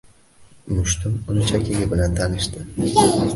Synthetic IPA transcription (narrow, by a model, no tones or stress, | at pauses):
mʊʃt̪ʰʊmʊnɪt͡ʃʰakʲʰɪɡʲɪbɪlant̪ʰanɪʃt̪ɪ